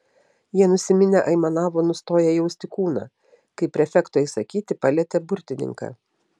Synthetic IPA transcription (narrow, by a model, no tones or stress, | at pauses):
jiɛnʊsʲɪmʲɪnʲɛʔɐɪmɐnɑːʋoːnʊst̪oːjɛjɛʊsʲt̪ʲɪkuːnɑ̰ː | kɐɪpʲɾʲɛfʲɛkt̪oːiːsɐkʲiːt̪ʲɪpɐlʲiɛt̪ʲɛbʊɾʲt̪ʲɪnʲɪ̰ŋkɑ̰ː